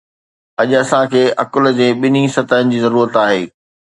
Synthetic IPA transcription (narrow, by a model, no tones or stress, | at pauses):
ɐʄɐsãkʰeːʔɐkʊl̆d͡ʑẽːɓɪnisɐt̪aːənɪ̆d͡ʑiːzɐɾuːɾət̪aːɦeː